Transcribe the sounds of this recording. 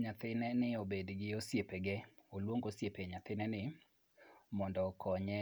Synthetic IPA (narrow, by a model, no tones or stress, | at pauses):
ɲat̪ɪnɛnɪobedɡɪosjepeɡɛ | olwoŋɡosjepeɲat̪ɪnɛnɪ | mɔndɔkʰɔɲɛ